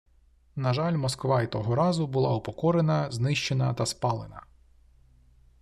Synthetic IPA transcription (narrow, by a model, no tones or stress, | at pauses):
nɐʒɑlʲmɔskʋɑit̪ɔɦɔɾɑzʊbʊlˠɑʊpɔkɔɾenɐznɪʃt͡ʃenɐt̪ɐspɑlˠenɐ̰